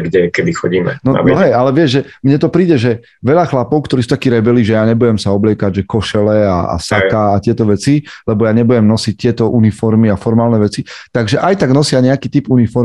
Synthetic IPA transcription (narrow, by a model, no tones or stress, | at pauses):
ɡɟɛkɛd̪ixɔɟiːmɛnɔa̰ɦɛːʔalɛʋɪɛʒʒɛmɲɛt̪ɔpɾiːɟɛʒɛ | ʋɛʎaxlapɔʊkt̪ɔɾiːsut̪akiːɾɛbɛliːʒɛjaːɲɛbujɛmsaɔblɪɛkaɟʒɛkɔʃɛlɛa̰a̰sakaːt̪ɪɛt̪ɔʋɛt͡silɛbɔjaɲɛbuɟɛmnɔsic̚t̪ɪɛt̪ɔʔunifɔɾmiafɔɾmaːlnɛʋɛt͡sit̪aɡʒɛʔajt̪aɡnɔsɪaɲɛakiːt̪ipunifɔɾ